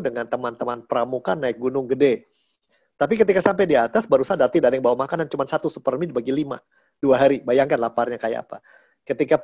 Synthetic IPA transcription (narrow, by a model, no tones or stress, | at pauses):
dəŋant̪əmant̪əmanpəɾamukanːaɪk̚ɡunʊŋɡəde | t̪ap̬ikət̪ikasampajdiat̪asbaɾusadat̪idadəŋbawamakanant͡ʃumansat̪usupərmidbaɡilima̰ | d̥uaɦaɾibajaŋkanlaparɲakaja̰a̰pa̰ | kət̪ika